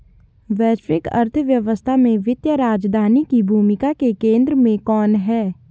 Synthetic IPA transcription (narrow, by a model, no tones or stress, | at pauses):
ʋɛːɾɪkɐ̰ɾt̪ʰəʋjɐʋəst̪ʰamẽʋɪt̪jəɾaːd͡ʒd̪ʱaːnikibʱuːmɪkakekẽːnd̪ɾəmẽkɔːnɦɛː